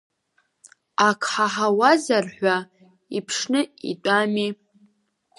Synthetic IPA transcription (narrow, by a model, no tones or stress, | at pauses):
akʰħaħawazarħʷa | ipʰʂnɨḭtʷʼami